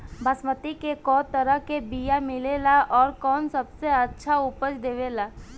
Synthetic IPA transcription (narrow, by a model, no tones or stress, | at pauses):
bʱəsmət̪ikekɔːt̪əɾəɦkebijamɪlelaʔɔːɾkɔːnsɐbseɐtːʃʰaʊpət͡ʃd̪eːʋelaː